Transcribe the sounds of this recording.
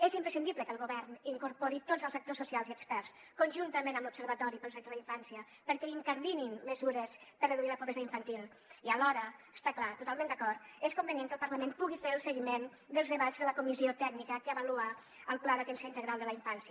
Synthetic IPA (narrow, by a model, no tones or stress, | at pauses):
ezimpɾəsind̪iβləkəlˠɣuβɛɾniŋkuɾpoɾit̪ozəlˠzək̚t̪osːusialˠziəkspɛrs | kunʒunt̪əmẽnəmlupsəɾβət̪ɔɾipəlset̪ələiɱfansiə | pəɾkɛiŋkəɾðininməzuɾəspərəðuiləpuβɾezaiɱfənt̪ilˠ | iəlɔɾəəst̪aklat̪ut̪alˠmẽnd̪əkɔrt̪eskumbənjeŋkəlˠpəɾləmenpuɣifeɾəlˠsəɣimen | d̪əlzðəβad͡zðələkumiziot̪ɛknikəkəəβəlua | əlˠplaðəɐt̪ənsioint̪əɣɾalˠd̪ələiɱfansiə